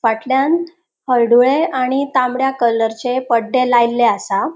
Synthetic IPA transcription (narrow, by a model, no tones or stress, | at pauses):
faʈljan | həɭɖuɭeaɽ̃it̪ãmbɽjakələɾt͡ɕepəɖːelajlːeasa